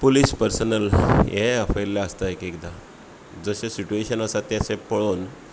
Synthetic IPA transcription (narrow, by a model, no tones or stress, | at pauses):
polispəɾsənəljẽəfəɾlaəst̪aekekd̪a | d͡zəɕesiʈueɕənəsat̪jasẽpəɭoːn